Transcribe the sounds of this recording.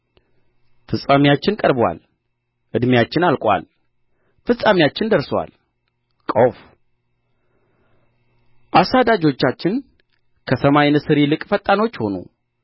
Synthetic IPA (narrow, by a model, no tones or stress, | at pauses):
fɨsʼamijat͡ʃːɪnkʼəɾbwa̰l | ʔɨd̪mijat͡ʃːɪnalkʷʼwa̰l | fɨsʼamijat͡ʃːɪnd̪əɾswa̰l | kʼowf | ʔasad̪ad͡ʒot͡ʃːat͡ʃːɪn | kʰəsəmajnɨsɨɾilɨkʼfət̪ʼːano̞t͡ʃːho̞nṵ